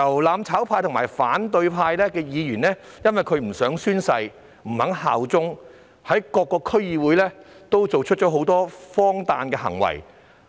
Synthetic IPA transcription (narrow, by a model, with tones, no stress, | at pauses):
jɐ˨˩wlaː˨˧mt͡sʰaː˨˥wpʰaː˧jt̪ʰʊ˨˩ŋmaː˨˩jfaː˨˥nt̪ɵ˧ɥpʰaː˧jlɛː˥kɛː˧jiː˨˧jyː˨˩nlɛː˥ | jɐ˥nwɐ˨jkʰɵ˨˧ɥm̩˨˩sœː˨˥ŋsyː˥nsɐ˧j | m̩˨˩hɐ˨˥ŋha̰ː˨wt͡sʊ˥ŋ | hɐ˨˥jkɔː˧kːɔː˧kʰɵ˥ɥjiː˨˧wuː˨˥jlɛː˥t̪o˥wt͡so˨wt͡ʃʰɵ˥t̚t͡ʃɔ˨˥ɦo˨˥wt̪ɔː˥fɔː˥ŋt̪aː˨nkɛː˧hɐ̰˨˩ŋwɐ̰˨˩j